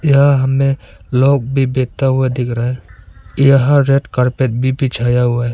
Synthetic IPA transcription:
jɦaɦəmẽloːɡ̚bʱibeːt̪aɦʊed̪ɪkʰɾaɦɛjɦaɾeːʈkəɾpet̪̚bʱibʱit͡ʃʰaːjaɦʊaɛ

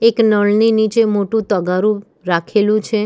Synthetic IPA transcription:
eknəɭninit͡ʃemoʈũt̪əɡaɾũ | ɾakʰelũt͡ʃʰe

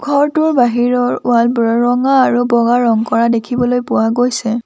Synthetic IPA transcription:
ɡʱɔɹtʊɹbaɦiɹɔɹʊalbɹɔɹɔŋaːɹubɔɡaɹɔŋkɔɹadekʰibɔlojpʊwaɡojsɛ

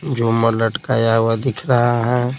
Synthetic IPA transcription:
d͡ʒomələʈkajawad̪ɪkʰɾɐɦaɦɛ̃ː

